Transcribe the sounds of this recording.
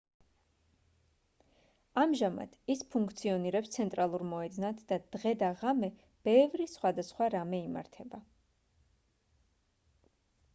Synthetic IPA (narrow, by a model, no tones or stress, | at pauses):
amʒama̰d̪̥ispʰuŋkʰt̪sʰiɔniɾɛpst̪sʰɛnt̪ʼɾalˠuɾmɔɛd̪znat̪ʰd̪̥ad̪̥ʁɛd̪aʁamɛ | b̥ɛvɾisχwad̪asχwaɾamɛima̰ɾt̪ʰɛba